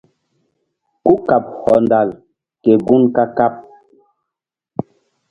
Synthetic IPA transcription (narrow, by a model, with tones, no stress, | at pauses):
ku˦ka˨p̚hɔ˨nda˨l | ke˨ɡu˦nka˦ka˦p̚